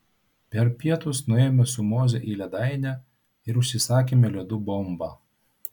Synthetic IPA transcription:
pʲɛɾpʲiɛt̪ʊsnʊeːmʲɛsʊmoːzʲɛʔiːlʲɛd̪ɑɪnʲæ | ɪɾʊʃʲsʲɪsɑːkʲeːmʲɛlʲɛd̪ʊbɔmbɑː

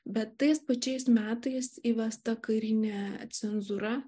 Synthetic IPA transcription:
bʲɛt̪ːɐɪspɐt͡ʃʲɛɪsmʲæːt̪ɐɪsiːʋʲɛst̪ɐkɐɪɾʲɪnʲeːt̪sʲɛnzuɾɐ

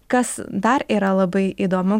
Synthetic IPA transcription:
kɐsd̪ɐɾiːɾɐlˠɐbɐɪiːd̪oːmʊ

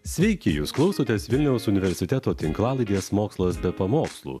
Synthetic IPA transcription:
sʲʋʲɛɪkʲɪjuːsklˠɒʊsoːt̪ʲeːsʋʲɪlʲnʲɛʊsʊnʲɪʋʲɛɾʲsʲɪt̪ʲɛt̪oːt̪ʲɪŋklˠɑːlˠɐɪd̪ʲeɛsmoːkslˠɐsbʲɛpɐmoːkslˠṵː

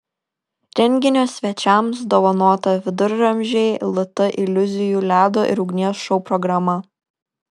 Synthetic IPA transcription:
ɾʲɛŋʲɡʲɪnʲoːsʲʋʲɛt͡ʃʲɛˑmsd̪oːʋɐnuɔt̪ɐʋʲɪd̪ʊɾʲɾɐmʲʒʲeɪlˠʊt̪ɐʔɪlʲʊzʲɪjuːlʲæːd̪oːʔɪ̰ɾʊɡnʲiɛsʃɔʊpɾɔɡɾɐmɐ

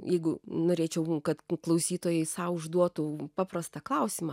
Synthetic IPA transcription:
jɛɪɡʊnoːɾʲeːt͡ʃʲɛʊkɐt̪klˠɐʊsʲiːt̪oːjɛɪsɑʊʒd̪uɔt̪ʊpɑːprɐst̪ɑklˠɐʊsʲimɐ

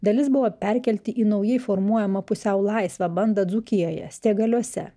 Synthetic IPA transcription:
d̪ɐlʲɪsbʊʋopʲɛɾʲkʲɛlʲt̪ʲɪʔiːnɐʊjɛɪfɔɾmuɔjɛmɐpʊsʲɛʊlˠɐɪsʋɐbɐnd̪ɐd̪zʊkʲɪjoːjɛ̰sʲt̪ʲeːɡɐlʲuɔsʲɛ

